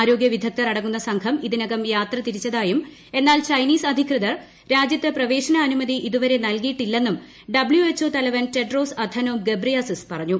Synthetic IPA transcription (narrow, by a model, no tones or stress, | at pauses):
aːɾo̞ːɡjɐʋid̪ʱɐk̚t̪ɐrɐɽɐŋːunːɐsɐŋkʰɐmiðinɐɣɐmjaːt̪rɐt̪iɾit͡ɕːɐðaːjum | e̞nːaːlt͡ɕɐjniːsɐd̪ʱikrɨðɐr | ɾaːd͡ʑjɐt̪ːeprɐʋe̞ːʂɐnɐːnumɐðiʔiðuʋɐɾe̞nɐlkijiʈːilːe̞nːum | ɖɐbɭljuet͡ɕːo̞ːt̪ɐlɐʋɐnte̞ɖro̞ːsɐd̪ʱɐnoːmɡebrijasispɐrɐɲːu